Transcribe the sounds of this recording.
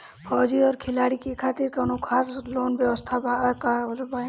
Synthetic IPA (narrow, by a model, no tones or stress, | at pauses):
pʰɔːd͡ʒiɔːɾkʰɪlaːɽikekʰaːt̪iɾkɐnokʰaːsloːnʋjəʋəst̪ʰabakalbaẽ